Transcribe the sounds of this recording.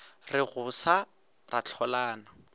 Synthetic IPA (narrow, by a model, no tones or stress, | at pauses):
rɪɣʊsa | rat͡ɬʰɔlaːna